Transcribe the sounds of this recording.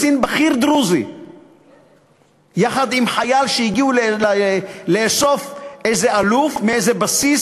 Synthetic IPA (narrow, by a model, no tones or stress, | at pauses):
sinbaχiɾd̪ʁuzi | jaχad̪imħajalʃeiɡiullleso̞fejzealufmeejzebasis